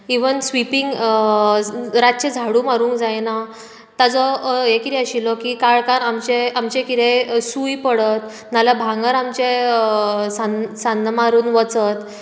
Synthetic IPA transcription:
iʋənsʋipiŋɡ | ɾatt͡ɕed͡zʱaɽuːmaɾuːŋkd͡zajna | t̪ad͡zɔjekit̪ʰɛəɕilɔkiːkaɭkanamt͡ɕeamt͡ɕẽkit̪ẽsujpəɽət̪ | nalabʱãŋɡəɾamt͡ɕe | sansand̪maɾuːnʋət͡sət̪

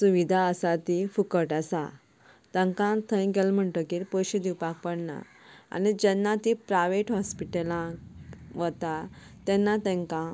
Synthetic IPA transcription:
suʋid̪ʱaəsat̪ifukəʈəsa̰ | t̪ə̃ŋkãt̪ʰə̃j̃kɛlm̤əɳʈ̪əkilpoɕid̪iwpak̚pəɽna̰ | a̰nid͡ʑɛnːat̪ipɾajʋeʈɦɔspiʈelã | ʋət̪at̪ɛ̃nːat̪ɛ̃ŋkã

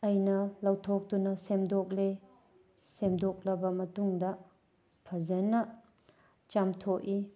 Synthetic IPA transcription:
ɐjnɐlɐwtʰok̚tunɐsemdok̚le | semdok̚lɐbɐmɐtuŋdɐ | pʰɐzɐnɐ | t͡ʃamtʰoki

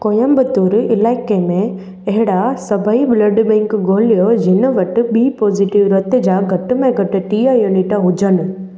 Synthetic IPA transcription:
koːjəmbət̪uɾɪlaːɪkemẽ | ɐɦɪɽasɐbʱəibləɖbɛ̃ŋkɡoːlijod͡ʑʱɪnə̆ʋɐʈ̆ɓiːpɔːziʈɪʋɾɐt̪ɪd͡ʑaɡʱɐʈʊ̆mẽɡʱɐʈɪ̆ʈiːjajoniʈaɦʊd͡ʑənɪ̆

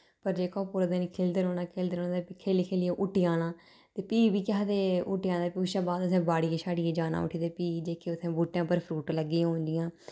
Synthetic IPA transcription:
pəɾd͡ʒeːkãːpʊːɾəd̪eːnĩːkʰeːld̪eːɾoːnaːkʰeːld̪eːoːnãːd̪eːpikʰeːliːkʰeːlɪjãːʔʊʈɪjaːnãː | t̪eːpiːbiːkaːd̪eːʊʈɪjãːd̪eːpuːʃãːbaːd̪əsɛ̃ːbaːɽiːeːsaːɖieːd͡ʒaːna̰ːʊ̰ʈʰiːd̪eːpiːd͡ʒeːkʰeːʊsʰɛ̃ːbuːʈːjãːpəɾpʰɾuːʈləɡːiːãːɦõːnd͡ʒ̪ɪjãː

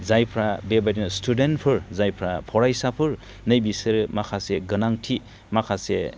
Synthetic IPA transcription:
zajpʰɾabebajdinstʰudentpʰɯɾzajpʰɾapʰɔɾajsapʰɯɾ | nɯjbisɯɾmakʰaseɡɯnaŋtʰi | makʰase

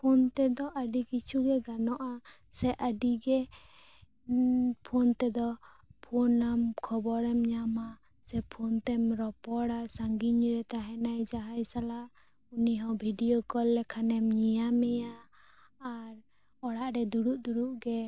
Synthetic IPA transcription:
pʰont̪ɛd̪ɔʔaɖikit͡ʃʰuɡɛɡanɔʔa | sɛʔəɖiɡɛ | pʰont̪ɛd̪ɔ | pʰɔnamkʰɔbɔɾɛmɲama | sɛpʰont̪ɛmɾɔpɔɽasaŋɡiɲɾɛt̪aɦɛnajd͡ʒaɦajsala | uniɦɔ̃bʱiɖiokɔlːɛkʰanɛmɲijamɛjaː | ɾ | ɔɽaʔɾɛd̪uɽuʔd̪uɽuʔɡɛ

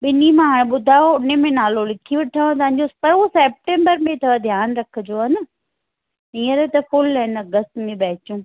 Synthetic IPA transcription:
ɓɪnimãɦaːɽ̃ẽɓʊd̪ʱaːoʊnemẽnaːlolɪkʰiʋɪʈʰaːõt̪ɐ̃ʋɦɪ̃ɲd͡ʑospɐɾoseːp̚ʈẽːmbəɾmẽt̪ʰɐʋd̪ʱjaːnɾɐkʰə̆d͡ʑoːɐnə | iːəɾet̪ɐfʊlɦɪnɐɡəst̪mẽɓɛːɪt͡ɕũː

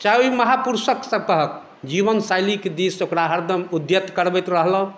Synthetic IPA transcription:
t͡ʃaiməɦapuɾsəksəb̚kəɦək | d͡ʒiβənsajliked̪isokɾaɦəɾd̪ʱəmud̪jət̪kəɾbɛjt̪ɾəɦləɦ

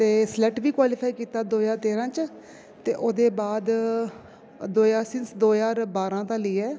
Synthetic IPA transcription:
t̪eːslɛːʈʋiːkwaːliːpʰaːiːkiːt̪aːd̪oːjaːɾt̪eːɾãːt͡ʃ | t̪ḛːʔoːd̪eːbaːd̪ | d̪oːjaːɾsɪ̃nsd̪oːjaːɾbaːɾãːt̪ãːləiːɛː

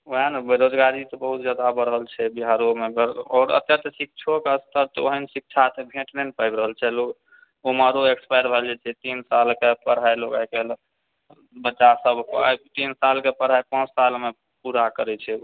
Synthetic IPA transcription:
oɦənbeɾod͡ʒɡaɾit̪ɔbəɦut̪d͡ʒad̪aəbəɾəɦəlt͡ʃʰɛbiɦaɾomeɡəɾɔːɾə̰t̪jət̪sik̚t͡ʃʰokeəst̪əɾt̪ɔo̰ɦənsik̚t͡ʃʰat̪ebʱẽʈnɛnpajbɾəɦəlt͡ʃʰɛlok | omaɾoekspajɾbʱɛld͡ʒɛt͡ʃʰɛt̪insalkepəɽɦajlokajkel | bətːʃasəbʱat̪insalkepəɽɦajpãt͡ʃʰsalme | puɾakəɾɛt͡ʃʰɛ

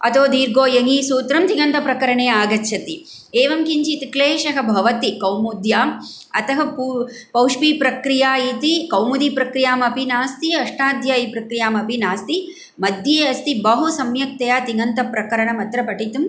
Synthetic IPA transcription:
ɐt̪oːd̪iːɾɡoːjɐŋiːsuːt̪ɾɐmt̪iŋɐnt̪ɐpɾɐkɐɾɐɳeːaːɡɐt͡ʃːʃʰɐt̪i | eːʋɐmkiɲt͡ʃit̪ikleːʃɐɦɐbʱɐʋɐt̪ikɐwmud̪jaːm | ɐ̰t̪ɐɦɐpu | pɐwʂpiːpɾɐkɾijaːit̪ikɐwmud̪ipɾɐkɾijaːmɐpinaːst̪iɐʂʈaːd̪ʱjaːjipɾɐkɾijaːmɐpinaːst̪i | mɐd̪jeːɐst̪ibɐɦusɐmjɐk̚t̪ɐjaːt̪iŋɡɐnt̪ɐpɾɐkɐɾɐɳɐmɐt̪ɾɐpɐʈit̪um

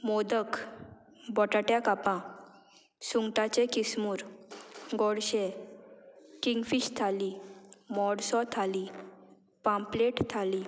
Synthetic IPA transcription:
mod̪ək | bɔʈaʈjakapã | suŋɡʈat͡ɕɛ̃kismuːɾ | ɡɔɽɕe | kiŋɡfiɕt̪ʰalimɔɽsɔt̪ʰali | pãmpleʈt̪ʰali

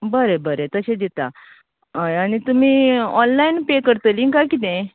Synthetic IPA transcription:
bəɾebəɾet̪əɕẽd̪it̪a | əañit̪um̤iːɔnlainpekəɾt̪əliŋkakit̪ẽ

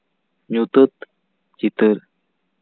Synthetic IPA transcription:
ɲut̪ət̪ | t͡ɕit̪ɨɾ

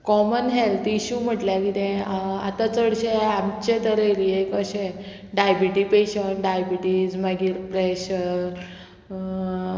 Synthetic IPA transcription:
kɔmənɦelt̪iɕum̤əʈljakit̪ẽa̰t̪at͡səɽɕeamt͡ɕet̪əɾejɾiekəɕe | ɖajbiʈipeɕəɳʈɖajbiʈid͡zmaɡiːɾpɾeɕəɾ

